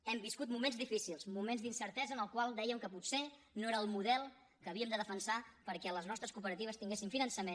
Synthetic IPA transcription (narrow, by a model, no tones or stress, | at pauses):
ɛmbiskut̪mumenzðifisilˠzmumenzd̪insəɾt̪ɛzənəlˠkwalˠd̪ɛjəmkəput̪se | noeɾəːlˠmuðɛlˠ | kəːβiəmd̪əðəfənsapəɾkɛləznɔst̪ɾəskupəɾət̪iβ̞əst̪iŋɡesimfinənsəmen